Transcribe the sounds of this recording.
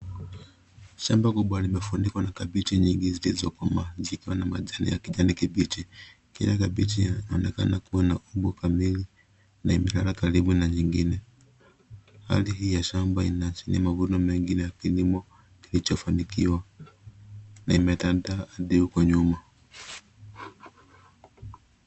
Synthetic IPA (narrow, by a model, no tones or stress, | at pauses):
ʃambakuɓwalimɛfunikwanakabit͡ʃiɲiŋɡizilizɔkamazikiwanamaʄanḭjakiʄanikiɓit͡ʃi | kḭɲakaɓit͡ʃinaɔnɛka̰nakuwanauɓukamili | naimɛlaɾakaɾiɓunaɲiŋɡinɛ | ha̰lihiːjaʃambainat͡ʃiniamavunɔmɛŋɡinɛjakilimɔ | kilit͡ʃɔfanikiwa | naimɛtandaɗiukɔɲuma